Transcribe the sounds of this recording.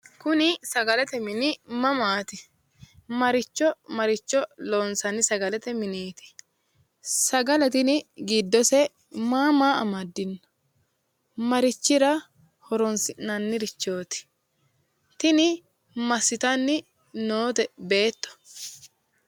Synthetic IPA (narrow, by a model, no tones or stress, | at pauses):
kʊnɪsɐɡɐlɛt̪ɛmɪnɪmɐmaːt̪ɪ | mɐɾɪt͡ʃːɔmɐɾɪt͡ʃːɔlo̞ːnsɐnːɪsɐɡɐlɛt̪ɛmɪniːt̪ɪ̥ | sɐɡɐlɐt̪ɪnɪɡid̪ːɔsɛ | maːmaːɐ̰mɐd̪ːɪnːɐ̥ | mɐɾɪt͡ʃːɪɾɐ | hɔɾɔnsɪnːɐnːɪɾɪt͡ʃːo̞ːt̪ɪ̥ | t̪ɪnɪ | mɐsːɪt̪ɐnːɪ | noːt̪ɛbe̞ːt̪ːɔ̥